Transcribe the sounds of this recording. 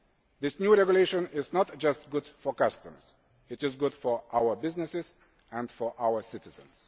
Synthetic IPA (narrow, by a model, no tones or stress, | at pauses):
ðɪsnjuɹɛɡjʊleɪʃə̃nɪznɔt̚d̥d͡ʒʌst̚ɡʊd̥fɔ˞kʌstə̃mz̥ | ɪtɪzɡʊd̥fɔ˞ʔaʊə˞bɪznɪsɪz | æ̃ndfɔ˞ʔawə˞sɪtɪzə̰̃ns